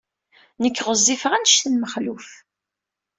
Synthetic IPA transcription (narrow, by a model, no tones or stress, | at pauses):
nəkːʁəzˤːifʁænʃθənməχluf